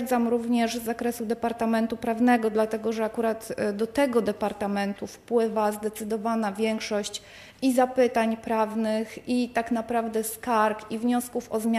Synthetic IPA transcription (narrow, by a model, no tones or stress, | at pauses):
d̪zamɾuvɲɛʐzːakɾɛsud̪ɛpaɾt̪amɛnt̪upɾavnɛɡɔd̪lat̪ɛɡɔʐɛakuɾat̪d̪ɔt̪ɛɡɔd̪ɛpaɾt̪amɛnt̪ufpwɘvazd̪ɛt̪sɘd̪ɔvanavʲjɛŋkʂɔɕt͡ɕ | izapɘt̪aɲpɾavnɘxit̪aknapɾavd̪ɛskaɾkivɲɔskufɔzmʲa